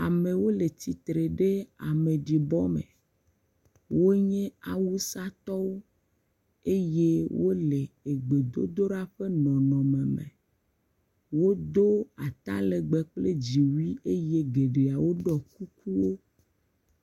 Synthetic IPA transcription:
a˨mẽ˨wo˦le˨t̪i˨t̪ɾe˨ɖe˦a̰˨mẽ˨ɖi˨bɔ˦mḛ̃˨ | wo˦ɲɛ̃˦a˨wu˦sa˦t̪ɔ˦wo˦ | e˦je˦wo˦le˨e˨ɡ͡be˨d̪o˦d̪o˦ɖa˦ɸe˦nɔ̃˨nɔ̃˨mẽ˨mḛ̃˨ | wo˦d̪o˦a˨t̪a̰˦le˨ɡ͡bɛ˨k͡ple˦d͡ʑi˨wi˦e˦je˦ɡe˨ɖe˨a˨wo˦ɖɔ˨ku˦ku˦wo˦

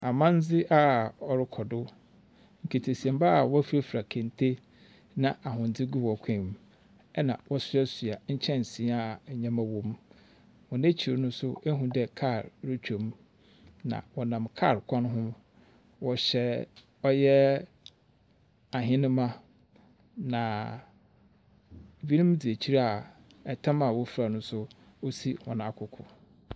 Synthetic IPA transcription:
a˨mã˦n˦d͡zɪ˦ʔa˦ɔ˨ɾɪ˦kʰɔ˨dʊ˦ | ŋ̩˨kʰe˨tʰe˨si˨ɛ̃˨mba˦˨wɔ˦fe˦fɾa˨kʰẽ˨n˨tʰe˦ | nã˨ʔa˨ɦʊ̃˨n˨d͡zɪ˦ɡu˦wɔ˨kʷʰɛ̃˦˨m | ɛ˦nã̰˨wɔ˦sʊ˦ɛ˦su˨a˨ɲ̩˦t͡ɕʰɛ̃˦n˨sĩ˨˦a˦˨ɲã˦mã˦wɔ̃˨m | wɔ̃˨nẽ˦t͡ɕʰi˨ɾo˨˦nʊ̃˦sʊ˦e˦ɦũ˨dɛ˦˨kʰa˦˨ɾɾɪ˦t͡ɕᶣo˨m | nã̰˨wɔ˨nã˨mkʰa̰˦˨ɾkʰɔ̃˦n˦ɦʊ̃˦m | wɔ˨ɕɛ˨ | ɔ˦jɛ˦ | a˨ɦɪ̃˦nʊ̃˦mã˦ | nã˨ | bi˦nĩ˦m˦di˨e˨t͡ɕʰi˦ɾa˦a˨ | ɛ˨tʰã˦ma˨wɔ˦fɾa˨nʊ̃˦sʊ˦ | o˦si˦hɔ̰̃˨nã˨a˨kʰʊ˦kʰʊ˨

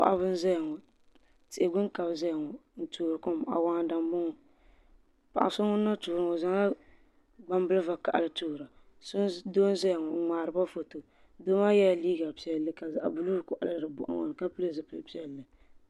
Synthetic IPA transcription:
pa̰˨ʔa˨˦bɨ˦n̩˦za˦jŋɔ˨ | tɪ˨ʔɪ˨ɡʊ˦nka˨bza˦jŋɔ˨n̩˦tuː˨ɾɨ˨ko˦m˨ʔa̰˨wa˦ŋ˨da˨m˦bo˦ŋɔ˨ | pa˨ʔa̰˨sʊ˦ŋʊ˦nːa˦tuː˨ɾɨ˦ŋɔ˨za˦ŋ˦la˦ | ɡ͡ba˦m˦bɨ˦lɨ˦va˨ka̰˨ʔa˨lɨ˨tuː˦˨ɾa˨ | sʊ˦ndo˦n˦za˦jŋɔ˨ŋ͡maː˨ɾɨ˨ba˦fo˨to˨ | do˦ma˦jɛ˦jliː˦ɡa˨pi˦ɛ˦lːɨ˦ka˨za˨ʔa̰˨bu˨luː˦ɾkʊ˨ʔa̰˨lɨ˦˨dɨ˨bʊ̰˨ʔa̰˨ŋa̰˨n˨ka˦pɨ˦lɨ˦zɨ˨pɨ˨pi˦ɛ˦lːɨ˨

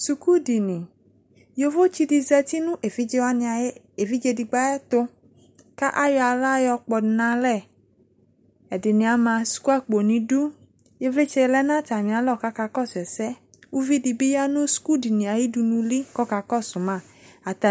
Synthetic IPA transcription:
su˧ku˦di˨nĩ˨ | jo˧vo˦t͡ʃi˧di˧zɛ˧ti˦nũ˦ʔe˨fi˦d͡ʒe˧wa˦˧˦ | e˨vi˦d͡ʒe˧di˧ɡ͡ba˦jɛ˦t̪ʊ˧ | ka˦ʔa˦jɔ˧a˧la˦jɔ˧k͡pɔ˨nã˧lɛ˦˨ | ɛ˨dɪ˨nĩ˨a˨˦mã˧su̥˨ku˦a˦k͡po˨nĩ˧du˦ | je˧vle˦t͡ʃɛ˧lɛ˦nã˦ta˨mĩ˨a˨˦lɔ˦˨ka˦ka˧kɔ˦˨sɛ˨sɛ˦ | u˦vi˦di˧bi˦ja˦nũ˦su̥˨ku˦di˨nĩ˨a˨ji˦du˧nũ˧li˦kɔ˦ka˧kɔ˦˨sʊ˨mã˦˨ | a˨ta˨

